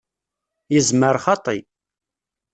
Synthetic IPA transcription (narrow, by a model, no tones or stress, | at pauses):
jəzməɾˤχɑt̪ˤi